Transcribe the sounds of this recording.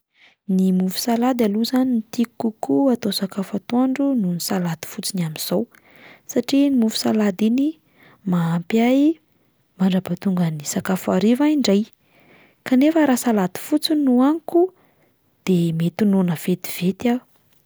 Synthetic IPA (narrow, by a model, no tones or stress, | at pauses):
nimufu̥salad̪aluzaninit̪ikukuat̪osakafat̪oɳɖ͡ʐununisalad̪i̥fut͡sinamiz̥ow | saʈ͡ʂinimufu̥salad̪ini | maːmpaj | maɳɖ͡ʐapat̪uŋɡənisakafaɾivaiɳɖ͡ʐaj | kanefəɾasalad̪i̥fut͡sinuaŋku | d̪̥emet̪unonəv̥et̪i̥v̥et̪a